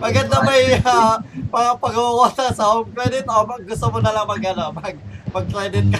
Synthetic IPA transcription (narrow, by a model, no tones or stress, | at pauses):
mɐɡad̪̚nɐmɐjapɐpɐɡɐwɐwat̪ɐnsɐoŋkɾɛd̪ɪt̪omɐɡɡʊst̪omonɐlaŋmɐɡɐnomɐɡ̚mɐɡ̚kɾɛjd̪ɪt̪̚kɐ